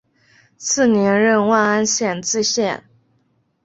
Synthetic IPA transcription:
t͡sʰɹ̩˥˩njɛ˧˥nɻə˥˧nwa˥˧na˥nɕjɛ˥˩nt͡sɹ̩˥˧ɕjɛ˥˩n

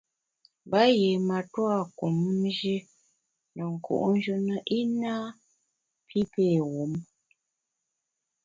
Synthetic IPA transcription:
ba˨˦je˨ma˨twa˦˨ku˨m˦ʒe˦ | nə˨ŋ̩˨kṵ˨ʔn˦d͡ʒə˦nə˦ʔi˦naː˦ | pʰi˦pe˦˨ɣo˨˦m

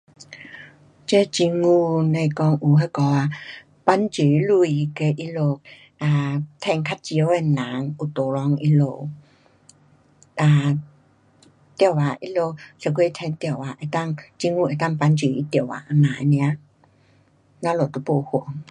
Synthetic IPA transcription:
t͡ɕe˦t͡ɕi˧ŋu˧nẽ˧˨kɔ˧ŋʔu˨ɦe˧˦kɔ˨˧˦a˧ | pa˧˥nt͡ɕi˨˧˦lu˧˨i˨˧ke˧ʔi˧lo˧ | a˨t̪ʰɛ˧˨ŋkʰa˦t̚t͡ɕi˧˨ə˦we˧nã˨˦ŋu˨˩t̪o˨lɔ˧ŋʔi˧lo˧˩˨ | ʔa˨ | t̪jə˧˨wa˨ʔi˧lo˧se˨˧˩kʰwe˧˨t̪ʰɛ˧nt̪jə˧˨wa˨ʔe˨˩t̪a˥˧ŋt͡ɕi˧ŋu˧˨e˨˩t̪a˥˨ŋpa˧˥nt͡ɕi˨˦ʔi˧˦t̪jə˨˧˩wa̰˨˧nã˨e˧nj̃ã˧˦ | nã˧˦lo˨˩t̪o˧˦po˧˨hu˨˩˨ə˦ŋ

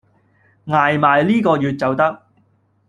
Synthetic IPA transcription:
ŋaː˨jmaː˨jliː˥kɔː˧jyː˨˧t̚t͡sɐ˨wt̪ɐ˥k̚

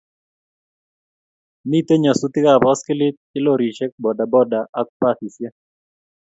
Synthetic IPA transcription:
mi˦˨t̪e˦ɲa˨su˦t̪ɪ˦ka˦˨bɣɔ˦skɪ˦lɪ˦t̪̚ɪ˦lo˦˨ɾi˨t͡ʃɛ˦k̚bɔ˨da˨bɔ˦da˨ʔːk̚pa˦t̪i˨sja˦

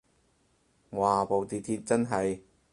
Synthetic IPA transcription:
waː˨˩po˨wt̪iː˨t̪ʰiː˧t̚t͡sɐ˥nɦɐ˨j

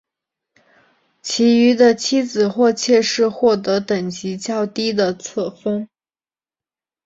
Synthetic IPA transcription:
t͡ɕʰi˧˥y˧˥d̪ə˧t͡ɕʰi˥d͡zɹ̩˨˩xwɔ˥˧t͡ɕʰjɛ˥˧ʂɻ̩˥˧xwɔ˥˩t̪ɤ˧˥t̪ə˨˩ŋt͡ɕi˧˥t͡ɕjɑ˥˩ʊt̪i˥d̪ə˨t͡sʰɤ˥˩fɤ˥ŋ

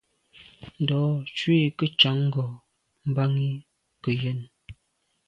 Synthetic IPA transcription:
n̩˨dɔ˨˦t͡ʃwi˦˨kə˦t͡ʃa˨˦ŋ̩˦ɡɔ˨ | m̩˨ba˦ŋi˦ | kə˨jɛ˦˨n

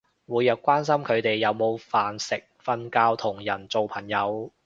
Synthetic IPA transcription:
wuː˨˧jːɐ˨˧wkʷaː˥nsɐ˥mkʰɵ˨˧ɥt̪e˨jːɐ˨˧wmo˨˧wfaː˨nsɪ˨k̚fɐ˥nkaː˥wt̪ʰʊ˨˩ŋjɐ˨˩nt͡so˨˧wpʰɐ˨˩ŋjɐ˨˧w

